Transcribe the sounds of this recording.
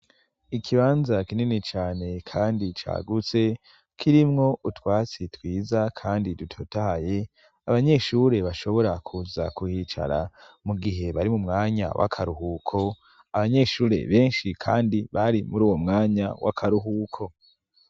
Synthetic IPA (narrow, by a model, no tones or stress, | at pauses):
ikʰiβaːnzakininit͡ʃaːne̞kʰaːndit͡ʃa̰ːɡut͡se̞ | kʰiɾimŋo̞ʔutwaːt͡sitwiːzakʰaːndidutʰotahaje̞ | aβaɲe̞ʃuɾe̞βaʃo̞βo̞ɾakʰuza̰kuhit͡ʃa̰ɾa̰ | muɡiɦe̞βaɾimumŋaːɲa̰wʔa̰kʰaɾuhukʰo̞ | aβaɲe̞ʃuːɾe̞̰βe̞ːnʃikʰaːndiβaɾimuɾuːwo̞mŋaːɲa̰wa̰kʰaɾuɦuːkʰo̞